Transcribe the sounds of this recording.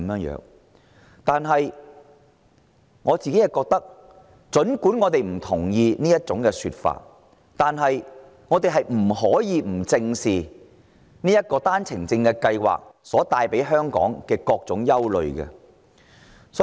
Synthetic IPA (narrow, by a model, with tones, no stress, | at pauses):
mjœː˨˧ŋjœ̰ː˨˧˥ŋ | t̪aː˨nɦɐ˨j | ŋɔː˨˧t͡siː˨ke˨˥jɐ˨kɔː˧k̚t̪ɐ˥k̚ | t͡ʃɵ˨˥nkuː˨˥nŋɔː˨˧t̪e˨jm̩˨˩t̪ʰʊ˨˩ŋjiː˧niː˥jɐ˥t̚t͡sʊ˨˥ŋkɛː˧sy̰ː˧t̚fa̰ː˧t̚ | t̪aː˨nɦɐ˨j | ŋɔː˨˧t̪e˨jɦɐ˨jm̩˨˩ɦɔː˨˥jiː˨˧m̩˨˩t͡sɪ˧ŋsiː˨ | niː˥jɐ˥t̚kɔː˧t̪aː˥nt͡sʰɪ˨˩ŋt͡sɪ˧ŋkɛː˧kɐ˧jwa̰ː˨k̚sɔː˨˥t̪aː˧jpe˨˥jɦœː˥ŋkɔ̰ː˨˥ŋkɛː˧kɔː˧k̚t͡sʊ˨˥ŋjɐ˥wlɵ̰˨ɥɡɛ̰˧ | sɔː˨˦˥